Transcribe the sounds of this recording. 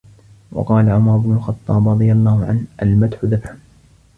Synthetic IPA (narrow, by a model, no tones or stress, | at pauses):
wɑ̰qɑːlaʕʊmɑɾˤʊbnʊlxɑt̪ˤːɑːbɾˤɑd̪ˤɨjalˤːɑːhʊʕa̰nhʔalmat̪ħʊðabħʊn